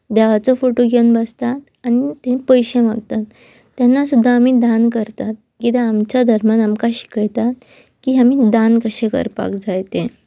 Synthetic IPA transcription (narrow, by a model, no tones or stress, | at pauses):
d̪ɛʋat͡sɔfoʈoɡewnbəst̪at̪ | añit̪ẽpəjɕeʋaɡt̪at̪ː | janːasud̪ʱːaːmiːd̪ankəɾt̪at̪̚ | kit̪eamt͡ɕjad̪ʱəɾmjanamkaɕi̥kəjt̪at̪̚ | kiamiːd̪ankəɕekə̰ɾpa̰kd͡zajt̪ẽ